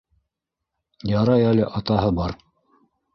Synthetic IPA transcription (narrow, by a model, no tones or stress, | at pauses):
jɑɾɑjælɘʔɑt̪ɑɦɤbɑɾ